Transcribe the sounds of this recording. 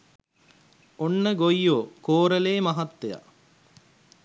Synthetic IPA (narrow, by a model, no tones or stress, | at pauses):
onːəɡojːoːkoːɾəleːmɐɦɐt̪ːeja̰